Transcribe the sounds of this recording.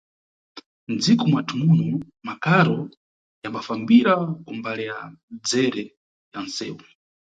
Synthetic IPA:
nd͡zikumwatʰumunɔ | makaɾɔ | jambafambiɾakumbalɛjad͡zɛɾɛ | jansɛːwu

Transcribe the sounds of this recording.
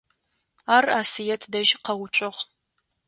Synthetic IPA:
aːraːsijɛtʰdɐʒqɐwʊt͡ʃʷʼʊʁ

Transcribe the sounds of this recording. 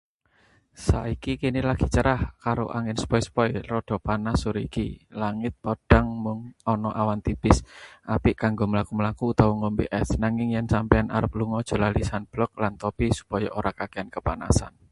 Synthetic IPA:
sa̰ikikinɪlaɡ̥i̥̤t͡ʃəɾahkaɾo̰ʔaŋɪnsə̥pɔjspɔjrɔɖ̪̥ɔ̤panasuɾikḭlaŋɪt̪̚pɔɖ̥a̤ŋmʊŋɔnɔʔawant̪ib̥ɪsʔapɪʔkaŋɡoməlakuməlakuːt̪awɔŋɔmbiʔɛsnaŋɪŋjɛnsampɛana̰ɾəp̚luŋɔd̥ʒ̥o̤lahlisanb̥lɔk̚lant̪ɔpisu̥pɔjɔ̰ʔoɾakakeankəpa̰na̰sa̰n

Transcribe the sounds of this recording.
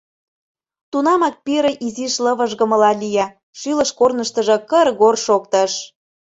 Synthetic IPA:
t̪unɑmɑk̚peɾĕʔiziʃlɤ̆βə̆ʒɣə̆mə̆lɑlʲijɑ | ʃylə̆ʃkornəʃt̪ə̆ʒɤ̆kərɣorʃok̚t̪ə̆ʃ

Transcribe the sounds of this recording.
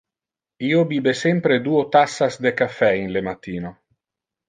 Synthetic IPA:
iobiːbesempɾed̪uot̪asːazd̪ekafɛinlemat̪iːno

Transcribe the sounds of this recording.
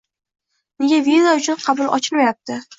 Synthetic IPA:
neɡʲavizaʊt͡ʃʰʊnqʰɑbʊlˠɒ̰t͡ʃʰɪlmajap̚t̪ʰɪ

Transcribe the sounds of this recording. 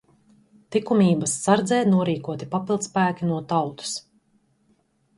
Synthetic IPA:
t̪ikumiːbɐsːaɾd̪zɛːnuɔɾiːkuɔt̪ipapilˠd̪spæːkʲinuɔt̪awt̪u̥s

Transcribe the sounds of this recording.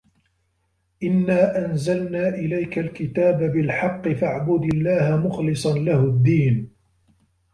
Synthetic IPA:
ʔɪnːaːʔanzalnaːʔɪlajkalkɪt̪aːbabɪlħɑqːɨfaʕbʊd̪ɪlːaːhamʊxlɨsˤɑnlahʊd̪ːiːn

